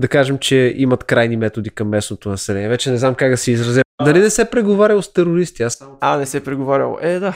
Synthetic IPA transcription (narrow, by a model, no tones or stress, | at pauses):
d̪ɐkaʒɛmt͡ʃɛimɐt̪kɾajnimɛt̪od̪ikɐmːɛsnot̪onɐsɛlɛnʲiɛvɛt͡ʃɛnɛznamkaɡd̪ɐsɛizɾɐzad̪ɐlinɛsɛpɾɛɡovaɾʲɐlˠost̪ɛɾoɾist̪iasanɛsɛpɾɛɡovaɾʲɐ̰lˠo̰ʔɛd̪a